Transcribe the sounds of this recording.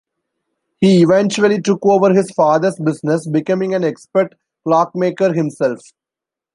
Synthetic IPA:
hiːɪʋɛ̃nt͡ʃuəliʈʊkoːʋəɾɦɪzfaːd̪əɾsbɪsnesbɪkʌ̃mɪ̃ŋæ̃nekspəɾʈ | klɔːk̚meːkəɾɦɪ̃msɛlf

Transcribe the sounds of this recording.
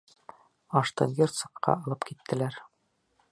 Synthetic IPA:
ɑʃt̪ɤ̰ŋɡʲert̪sɤ̆qːɑ̰ɑlˠɤpkit̪ːɘ̆læɾ

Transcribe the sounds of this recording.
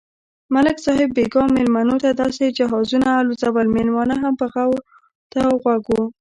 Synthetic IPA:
malɪksɑɦɪbːeɡɑmɪlmanot̪ad̪ɑsed͡ʒaɦɑzunaːlozawalmenwɑnaɦampəɣaw | t̪aɣwaɡo

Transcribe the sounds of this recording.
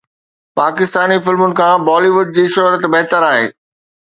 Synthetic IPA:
paːkɪst̪aːnifɪlmʊnɪ̆kʰãːbɔːliʋʊɖ̚d͡ʑiːʃʊɦɾət̪bɛɦt̪əɾaːɦḛː

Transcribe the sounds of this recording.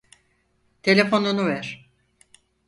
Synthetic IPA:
t̪ʰe̞lʲefo̞nunuvɛɾ̥

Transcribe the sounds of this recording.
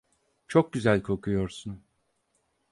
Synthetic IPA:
t͡ʃʰok̚ɟyzælʲkʰo̞kʰujo̞ɾsun

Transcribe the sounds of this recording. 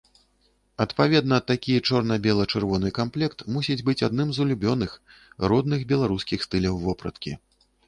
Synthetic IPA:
ɐt̪pavʲɛd̪nɐːt̪ːakʲit͡ʂɔrnɐbʲɛlˠɐt͡ʂɨrvɔnɨkamplʲɛkt̪musʲid͡zʲbɨt͡sʲad̪nɨmzulʲubʲɔnɨxɾɔd̪nɨxbʲɛlˠaɾuskʲixst̪ɨlʲɐwvɔpɾɐ̰t̪kʲḭ

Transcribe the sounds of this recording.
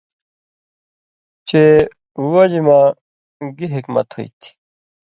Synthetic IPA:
t͡ɕe | uwad͡ʑima | ɡiɦikmɐ̰t̪ho̰ḭt̪ʰi̥

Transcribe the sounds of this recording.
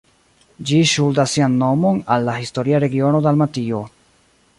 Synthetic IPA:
d͡ʒiʃuldasːianːo̞mo̞nalːahisto̞ɾiaɾe̞ɡio̞no̞dalmatio̞

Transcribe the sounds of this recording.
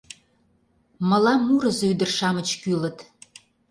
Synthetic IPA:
mə̆lɑmːuɾəzoyd̪ərʃɑmət͡ɕkylə̆t̪

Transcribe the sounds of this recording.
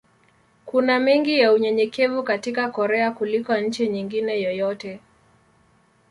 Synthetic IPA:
kunamiŋɡijauɲɛɲɛkɛvukatikakɔɾɛakulikɔɲ̩t͡ʃiɲiŋɡinɛjɔjɔtɛ

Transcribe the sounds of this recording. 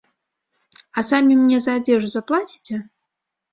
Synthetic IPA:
ɐsamʲimnʲɛzɐːd͡zʲɛʐuzaplˠat͡sʲi̥t͡sʲɛ

